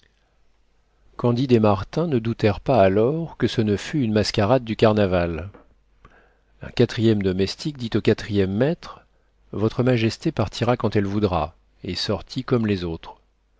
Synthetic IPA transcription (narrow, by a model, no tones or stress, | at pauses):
kɑ̃d̪id̪emaʁt̪ɛ̃nəd̪ut̪ɛʁpaːlɔʁkəsənəfyːnmaskʲaʁad̪̚ːykaʁnaval | ɛ̰̃kat̪χijɛmd̪ɔmɛst̪ik̚d̪it̪okat̪χijɛmːɛt̪χ | vɔt̪χəmaʒɛst̪epaʁt̪ʰiʁakɑ̃t̪ɛlvud̪ʁa̰ | esɔʁt̪ʰikɔmlezot̪χ